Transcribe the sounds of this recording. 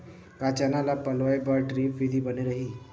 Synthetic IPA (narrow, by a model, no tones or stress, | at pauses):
kaːt͡ʃanalapɐloːebaɾʈɾiːfid̪ibɐneɾɐɦiː